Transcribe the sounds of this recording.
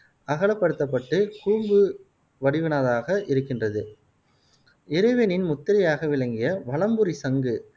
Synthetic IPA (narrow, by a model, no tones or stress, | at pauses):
ɐɣɐɭɐpːɐɽɯt̪ːɐp̬ːɐʈːɯkuːmbɯ | ʋɐɽɪʋɪnaːðaːɣɐʔɪɾɯkːɪndrɐðɯ | ɪɾɯʋɛnɪnmʊt̪ːɪɾɪjaːɣɐʋɪɭɐŋɡɪjɐʋɐɭɐmbɯɾisɐŋɡɯ